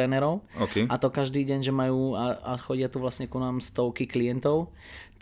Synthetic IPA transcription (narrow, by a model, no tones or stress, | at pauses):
ɾɛnɛɾɔʊokɛʔat̪ɔkaʒd̪iːɟɛɲʒɛmajuːaaxɔɟɪat̪uʋlasɲɛkunaːmst̪ɔʊkiklijɛnt̪ɔʊ